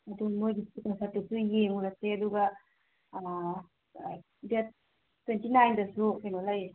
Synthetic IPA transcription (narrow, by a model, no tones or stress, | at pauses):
ɐdumojɡiikaŋsap̚tdusujeŋuɾɐk̚seɐduɡɐ | det̚ | tːwentinajndɐsukenolaj